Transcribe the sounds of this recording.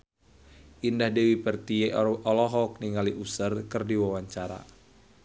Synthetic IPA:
ʔindahdewipərt̪ieɔlɔɦɔk̚niŋaliʔusərkɨrdiwawaɲt͡ʃaɾa̰

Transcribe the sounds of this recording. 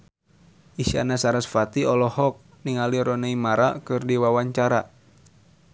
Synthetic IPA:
ʔiʃa̰nasaɾasfat̪iɔlɔhɔk̚ | niŋaliɾɔneimaɾakɨrdiwawaɲt͡ʃaɾa

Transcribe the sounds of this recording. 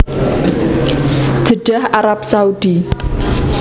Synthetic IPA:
ʒ̥əɖ̥ahʔaɾap̚saud̪̥i

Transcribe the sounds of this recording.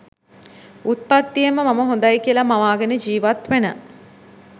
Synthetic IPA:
ut̪̚pat̪ːijeməmaməɦond̪ajkijəlamaʋaːɡenəd͡ʒiːʋat̪ʋenə̰

